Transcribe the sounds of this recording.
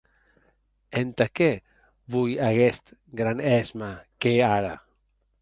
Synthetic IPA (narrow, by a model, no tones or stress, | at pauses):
ent̪ake | βujaɣest̪ɡɾanɛzmakeaɾa̰